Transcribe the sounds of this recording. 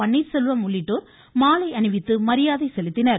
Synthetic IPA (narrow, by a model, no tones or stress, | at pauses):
ɐɳːiːɾsɛlʋɐmʊɭːɪʈːoːɾ | maːlɐɪɐɳɪʋɪt̪ːɯmɐɾɪjaːðɐɪsɛlɪt̪ːɪnɐɾ